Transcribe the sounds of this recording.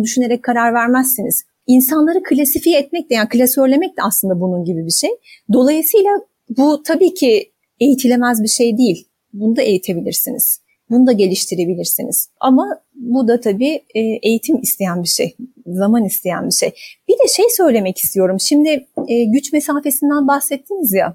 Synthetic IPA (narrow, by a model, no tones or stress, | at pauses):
d̪yʃyne̞ɾɛc̚kʰːaɾaɾvæɾmæsːiniz̥ | insanlˠaɾɯkʰɯlʲasifijɛɛt̪̚mɛc̚lʲɛjakʰɯlʲasøɾlʲe̞mɛc̚lʲɛaslˠɯnd̪abununɟibibiʃejd̪o̞lˠajɯsɯjlˠa | but̪ʰabiːcʰi | e̞jit̪ʰilʲe̞mæzbiʃe̞jd̪ijilʲ | bunud̪aʔe̞jit̪ʰe̞bilʲiɾsinḭz̥ | bunud̪aɟe̞lʲiʃt̪ʰiɾe̞bilʲiɾsiniz̥a̰ma | bud̪at̪ʰabiːɛːʔe̞jit̪ʰimist̪ʰe̞jænbiʃḛj | zamanist̪ʰe̞jæ̰nbiʃḛjb̥id̪ɛʃejsø̞jlʲe̞mɛci̥st̪ʰijo̞ɾumʃimd̪ɪɛːɟyt͡ʃmesaːfe̞sind̪ænbaxsɛt̪ʰːinizja̰